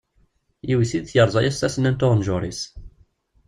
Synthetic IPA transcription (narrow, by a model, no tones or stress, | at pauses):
jiwisid̪t͡sjəɾˤzˤɑjæst̪æsnænt̪ʊʁnʒʊɾis